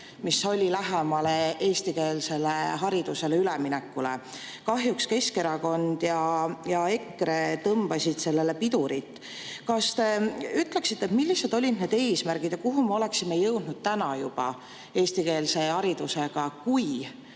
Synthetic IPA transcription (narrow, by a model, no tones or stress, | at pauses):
miso̞lʲilæɦemɑleʔe̞ːst̪ike̞ːlse̞leɦɑɾid̪̥use̞leyleminɛkːˑule̞̰ | kɑɦjukske̞ske̞ɾɑko̞nd̪̥jɑjɑe̞kːɾet̪ɤmb̥ɑsʲid̪̥se̞lːe̞le̞pid̪̥uɾit̪ːˑ | kɑst̪e̞yt̪ːˑle̞ksit̪ːet̪milːised̪̥o̞lʲid̪ned̪̥e̞ːsmæɾɡ̥id̪jɑkuɦumɑo̞le̞ksimejɤwd̪̥nud̪̥̚t̪ænɑjub̥ɑ̰ | e̞ːst̪ike̞ːlse̞hɑɾid̪̥use̞ɡ̥ɑkuj